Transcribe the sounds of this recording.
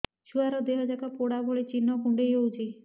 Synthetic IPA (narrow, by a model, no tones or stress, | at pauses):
ʃuaɾɔd̪eɦɔd͡ʒakapoɽabʱɔɭet͡ʃinːɔkuɳɖejowd͡ʒi